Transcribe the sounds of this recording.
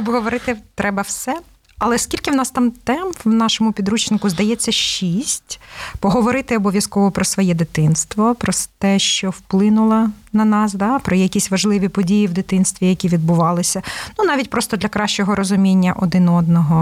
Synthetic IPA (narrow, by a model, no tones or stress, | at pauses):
ɐbɦɔʋɔɾɪt̪ɪt̪ɾɛbɐwsɛ | ɐlˠɛskʲilʲkɪwnɑst̪ɑmt̪ɛmpwnɑʃɔmʊpʲid̪ɾut͡ʃnɪkʊzd̪ɐjɛt͡sʲːɐʃisʲtʲpɔɦɔʋɔɾɪt̪ɪɔbɔʋʲjɐskɔʋɔpɾɔsʋɔjɛd̪ɪt̪ɪnst̪ʋɔpɾɔt̪ɛʃt͡ʃɔwplˠɪnʊlˠɐnɐnɑsd̪ɑpɾɔjɛjɐkʲisʲʋɐʒlˠɪʋʲipɔdʲijiwd̪ɪt̪ɪnst̪ʋʲijɐkʲiʋʲid̪̚bʊʋɑlˠɪsʲɐnunɑʋʲitʲpɾɔst̪ɔd̪lʲɐkɾɑʃt͡ʃɔɦɔɾɔzʊmʲinʲːɐ̰ʔɔd̪ɪnɔd̪nɔɦɔ